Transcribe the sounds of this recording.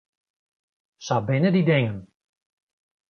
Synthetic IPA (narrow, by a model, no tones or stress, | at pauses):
sabɪnədidɪŋən